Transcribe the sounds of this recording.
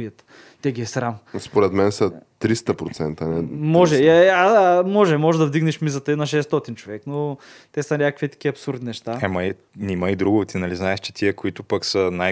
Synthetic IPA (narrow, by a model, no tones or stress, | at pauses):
iət̪ | t̪ɛɡʲiɛsɾamspoɾɛt̪mɛnsɐt̪ɾist̪əpɾot̪sɛnt̪ənɛmɔʒɛamɔʒɛmɔʒɛd̪ɐvd̪iɡnɛʃmizət̪əinɐʃ̬ɛst̪ot̪int͡ʃovɛkno | t̪ɛsɐnʲakəkvit̪ɐ̥k̟iɐpsuɾd̪inɛʃt̪aɛmɐi | nimɐid̪ɾuɡʊt̪inɐliznaɛʃt͡ʃɛ̥t̪iəkʊit̪ʊpəksəna